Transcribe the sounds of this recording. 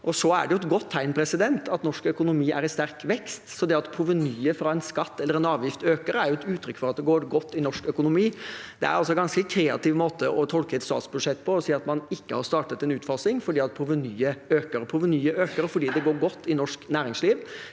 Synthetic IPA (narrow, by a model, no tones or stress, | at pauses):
ʔɔsɔæ̰ɖɛjʊɛt̪ɡɔt̪ʰːæɪnpʰɾɛsɪd̪ɛnt̪ʰɑt̪nɔʂkœkʊnʊmiːʔæ̰ɾɪst̪æɾkʋɛkst̪sɔd̪ɛɑt̪pʰɾʊʋənyːəfɾɑːɛnskɑt̪ːɛlːəɾɛnɑːʋjɪft̪øːkəɾəæɾjʊɛt̪ʉːt̪ʰɾʏkːfɔɾɑt̪̚d̪ɛɡoːɾɡɔt̪ːɪnɔʂkœkʊnʊmiːd̪ɛ̰æ̰ɾɑls̬ɔɛɡɑnskəkʰɾeːɑ̰t̪ɪʋmoːt̪əʔɔt̪ʰɔlkəɛt̪st̪ɑ̰ːt̪sbʉʂɛt̪ːpʰɔɔsiːɑt̪mɑnɪkːəhɑɾst̪ɑːʈət̪ɛnʉːt̪fɑsɪŋfɔɖiːɑt̪̚pʰɾʊʋənyːəøːkəɾɔpʰɾʊʋənyːəʔøːkəɾɔfɔɖiːd̪ɛɡoːɾɡɔt̪ːɪnɔʂknæːɾɪŋsliːʋ